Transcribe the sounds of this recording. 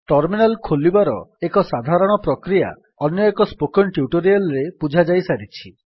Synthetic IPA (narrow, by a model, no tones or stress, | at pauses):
ʈɔɾminalkʰolibaɾɔekɔsad̪ʱaɾɔɽ̃ɔpɾɔkɾija̰ | ɔnjɔekɔspokɔnʈjuʈoɾialɾepud͡ʒʱad͡ʒajsaɾit͡ʃʰi